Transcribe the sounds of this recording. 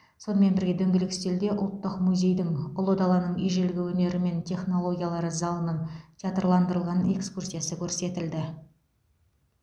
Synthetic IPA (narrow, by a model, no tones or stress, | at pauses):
so̞nəme̞nbɪɾɡʲe̞d̪ɵŋɡʲɪlɪkst̪e̞ld̪e̞ʔʊ̰lˠt̪ːəqmuzʲe̞jd̪ɪŋolˠod̪ɑlˠɑnəɴijʒe̞lɡʲɪwɵne̞ɾɪme̞nt̪ʲʰe̞χno̞lˠo̞ɡʲijalˠɑɾəzɑlˠənəɴt̪ʰijat̪ərlˠɑnd̪əɾəlˠʁɑne̞̰kskursʲijasəkʲʰɵɾse̞t̪ɪld̪ɪ